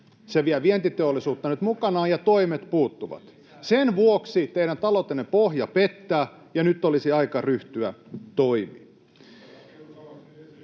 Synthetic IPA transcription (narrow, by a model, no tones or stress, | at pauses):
seʋiæʋient̪it̪eolːisuːt̪ːɑnyt̪mukɑnɑːjɑt̪oimet̪puːt̪ːuʋɑ̰t̪ | senʋuoksit̪eiɾænt̪ɑlot̪ːenːepohjɑpet̪ːæː | jɑnyt̪ːolisiɑikɑryht̪yæ̰t̪oimḭː